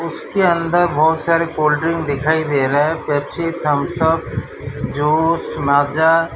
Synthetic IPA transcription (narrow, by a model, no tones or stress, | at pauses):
ʊskeɐ̃nd̪əɾbɔːt̪saːɾekoːlʈɾɪ̃ŋɡd̪ɪkʰaːid̪eːɾəɦɛpɛːpsiːt̪ɐmsəb | d͡ʒoːsmaːd͡ʒa